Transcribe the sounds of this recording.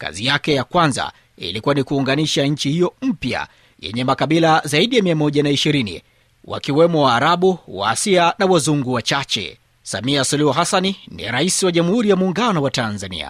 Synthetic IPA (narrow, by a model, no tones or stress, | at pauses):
ka̰zijakɛjakwanza̰ | ḭlikuwanikuːŋɡaniʃaɲ̩t͡ʃihijɔm̩pja̰ | jɛ̰ɲɛmakaɓilazaiɗijamiamɔʄanaiʃiɾinḭ | wa̰kiwɛmɔwaːɾaɓuwa̰ːsianawazuŋɡuwat͡ʃat͡ʃɛ̰ | sa̰miasuluhuɦasannḭɾaisiwaʄamuhuɾijamuːŋɡanɔwatanzanḭa̰